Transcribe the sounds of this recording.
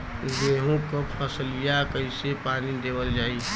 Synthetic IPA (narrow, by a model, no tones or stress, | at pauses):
d̪eːɦũkopʰəslijakəɪsepaːnid̪eːbəld͡ʒaːi